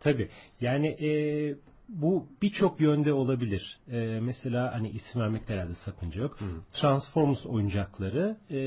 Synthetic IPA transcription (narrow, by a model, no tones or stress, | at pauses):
t̪ʰabiːjaːnɪʔɛː | bub̥it͡ʃʰo̞kjønd̪ɛo̞lˠabilʲiɾ̥ɛːmɛse̞lʲaːhaniʔisimvæɾmɛclʲɛɾalʲd̪ɛsakʰɯnd͡ʒajo̞kt̪ʰɾansfo̞ɾmso̞̰jund͡ʒaklˠaɾɯ